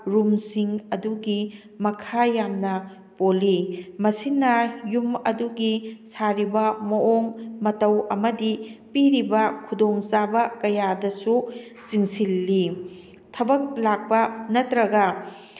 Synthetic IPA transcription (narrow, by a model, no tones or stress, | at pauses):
ɾumsiŋɐduɡi | mɐkʰajamnɐ | polːimɐsinːɐjumɐduɡisaɾibɐmɐʔoŋmɐtɐwɐmɐdipiɾibɐkʰudoŋsabɐkɐjadɐsu | t͡ʃiŋsilːi | tʰɐbɐk̚lak̚pɐnɐtɾɐɡɐ